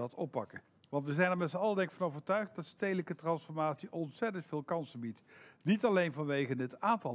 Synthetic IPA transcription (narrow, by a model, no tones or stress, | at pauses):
ɑtɔ̰pːɑ̰kə | ʋɑntʋəzɛjnɛɹmɛtsəɑlədɛŋkfɑnowvəɹtœɥχt̚dɑtstejdələkətrɑnsfɔɹmaːtsiʔɔnsɛtəntfɪːlˠkɑnsənbitnitɑlejnvɑnʋejχənətaːntɑ